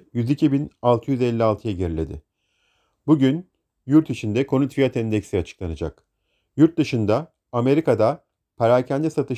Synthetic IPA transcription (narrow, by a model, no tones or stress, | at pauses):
jyzicʰibinalˠt̪ʰɯjyzɛlʲːialˠt̪ʰɯjaɟeɾilʲe̞̰d̪ɪ̰ | buɟyn | juɾt̪ʰit͡ʃʰind̪ɛkʰo̞nut̪fijat̪ʰɛnd̪ɛcsiat͡ʃʰɯ̥klˠanɯd͡ʒak | juɾt̪̚d̪ɯʃɯnd̪a | ame̞ɾikad̪a | pʰaɾacʰænd̪ɛsat̪ʰɯ